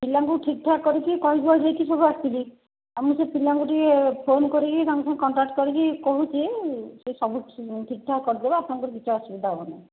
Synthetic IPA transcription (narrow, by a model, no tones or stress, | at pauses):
pilaŋkuʈʰik̚ʈʰakkːɔɾikikɔɦibuad͡ʒajt̪ʰisɔbuast̪ili | amũsepilaŋkuʈiepʰonkɔɾikit̪aŋkusʰãŋekɔɳʈɾak̚ʈkɔɾikikoɦut͡ʃʰisesɔbuʈʰik̚ʈʰakkɔɾid̪ebaapnaŋkuɾikit͡ʃʰuɔsibid̪aɔmane